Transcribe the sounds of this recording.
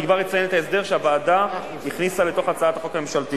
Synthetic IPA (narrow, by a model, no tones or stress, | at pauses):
ɡvaʁet͡sajenet̪aes̬d̪e̞ʁʃeabaːda | hiχnisale̞t̪o̞χat͡saat̪aχo̞kame̞mʃalt̪i